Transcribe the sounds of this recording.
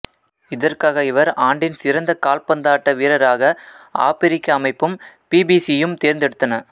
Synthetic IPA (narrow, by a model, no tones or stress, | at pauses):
ɪðɐrkaːɣɐɪʋɐɾaːɳɖɪnsɪɾɐnd̪ɐkaːlpɐnd̪aːʈːɐʋiːɾɐɾaːɣɐa̰ːpɪɾɪkːɐːmɐɪpːɯmpiːbiːsijɯmt̪eːɾnd̪ɛɽɯt̪ːɐnɐ